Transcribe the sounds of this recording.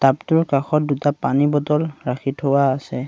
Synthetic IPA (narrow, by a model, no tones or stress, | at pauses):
taptʊɹkaxɔt̚dutapanibɔtɔlɹaxʰitʰowaːsɛ